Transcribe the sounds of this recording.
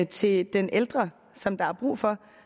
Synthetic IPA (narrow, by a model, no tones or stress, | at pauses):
ət͡sʰe̝d̥enʔeld̥ʁɐ | sɒ̽md̥ɑ̈æɐb̥ʁṵːfɒ̽